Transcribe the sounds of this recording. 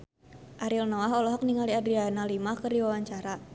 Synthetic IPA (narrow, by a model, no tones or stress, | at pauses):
ʔaɾilnɔwaɦɔlɔɦɔk̚niŋaliadɾianalimakərdiwawaɲt͡ʃaɾa